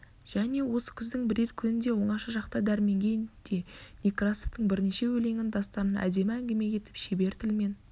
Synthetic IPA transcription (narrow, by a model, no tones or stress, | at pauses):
ʒ̥æne̞wo̞sə̥kʲʰʏzd̪ɪŋbɪɾe̞ɾkʲʰʏnɪnd̪e̞wo̞ɴɑʃɑʒɑqt̪ɑd̪æɾme̞ŋɡʲe̞nd̪̥e̞nʲikrasoft̪əɴbɪɾneʃe̞wɵle̞ŋʲɪnd̪ɑst̪ɑɾənʔæ̰d̪e̞mɪæŋɡʲeme̞kʲʰe̞t̪ɪ̥pʃebe̞ɾt̪ʰɪlme̞n